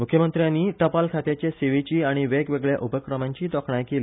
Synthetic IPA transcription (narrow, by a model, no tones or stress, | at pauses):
mukʰjəmənt̪ɾjanːiːt̪əpalkʰat̪jat͡ɕjaseʋet͡ɕiːaɽ̃iʋɛkʋeɡɭja̰ʔupəkɾəmãɲt͡ɕiːt̪ɔkʰɳajkeliː